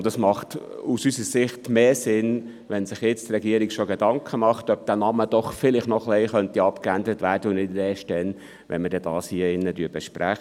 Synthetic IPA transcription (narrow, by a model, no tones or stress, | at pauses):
ʊnd̥ɑsmɑχtusysəɾsɪχtmeːsɪn | ʋɛnsɪχjɛt͡st̪rɛɡiəɾiɡʃoɡedɑŋkʰəmɑχtœp̚d̥æːnɑməd̥ɔχfɪlɪχtnɔχlɛɪχœntiɑpkændəɾətʋæːɾdəʊnɪdəɛʃttɛn | ʋʔɛ̰nməɾdɛd̥ɑːshiəɪnːədyːb̥ɛʃpɾæχ